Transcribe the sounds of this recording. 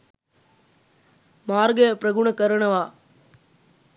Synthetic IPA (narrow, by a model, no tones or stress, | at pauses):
maːɾɡɐpɾɐɡʊɳɐkɐɾɐɳɐʋaː